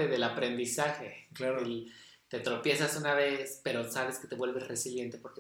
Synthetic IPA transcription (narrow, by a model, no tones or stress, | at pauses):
eðelapɾe̞nd̪isaxe̞klaɾ | t̪e̞t̪ɾo̞pje̞sasunaβe̞spe̞ɾo̞saβe̞ske̞t̪e̞βwe̞lβe̞zre̞silje̞nt̪e̞po̞ɾke